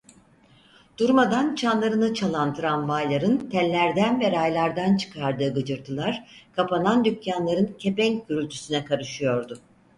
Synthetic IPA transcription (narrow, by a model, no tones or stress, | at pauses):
d̪̥uɾmad̪ant͡ʃʰanlˠaɾɯnɯt͡ʃʰalˠant̪ʰɯɾanvajlˠaɾɯnt̪ʰɛlʲːæɾd̪ænvɛɾajlˠaɾd̪ant͡ʃʰɯ̥kʰaɾd̪ɯːɡɯd͡ʒɯɾt̪ʰɯlˠaɾ̥kʰapanand̪ycjanlˠaɾɯncʰepɛŋɟyɾylʲt̪ʰy̥synɛkʰaɾɯʃɯjo̞ɾd̪ʊ